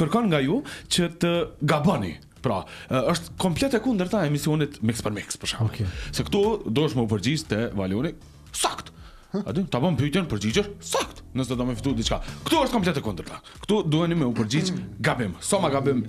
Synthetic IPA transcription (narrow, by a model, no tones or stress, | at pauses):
kəɾkɔnŋɡajut͡ɕət̪əɡabɔnḭ | pɾaəʃt̪kɔmplɛt̪ɛkund̪əɾt̪aɛmisiɔnit̪mikspəɾmikspəʃa̰m̰sɛkt̪ud̪ɔəʃt̪mɛupəɾd͡ʑid͡ʑt̪ɛvalɔni | sakt̪ | a̰d̪yt̪abɔmpyt̪jɛnpəɾd͡ʑid͡ʑɛɾsakt̪nəsɛd̪ɔmɛfi̥t̪ud̪it͡ʃkakt̪uəʃt̪kɔmplɛt̪ɛkund̪əɾt̪ḁ | kt̪ud̪uhɛnimɛupəɾd͡ʑid͡ʑɡabimsɔmaɡabim